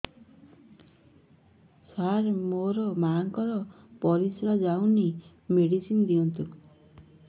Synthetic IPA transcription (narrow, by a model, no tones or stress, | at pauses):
saɾmoɾɔmaŋkɔɾɔ | pɔɾisɾad͡zawni | meɽisind̪iʌnt̪ʰu